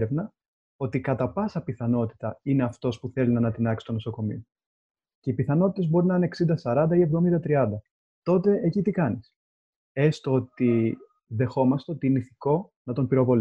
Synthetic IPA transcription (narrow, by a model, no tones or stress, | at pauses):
ɾevnɐ | o̞t̪ikɐt̪ɐpɐsɐpiθɐno̞t̪i̥t̪ɐine̞ɐft̪o̞spuθe̞linɐnɐt̪inɐksi̥t̪o̞noso̞ko̞mḭo | ce̞ipiθɐno̞t̪i̥t̪ebo̞ɾinɐineksind̪ɐsɐɾɐnd̪ɐie̞vðo̞mind̪ɐt̪ɾiɐnd̪ɐ | t̪o̞t̪e̞ʔecit̪ikɐnis | e̞st̪oot̪i | ðe̞xo̞mɐst̪e̞ot̪iineiθiko̞ | nɐt̪o̞mpiɾo̞vo̞l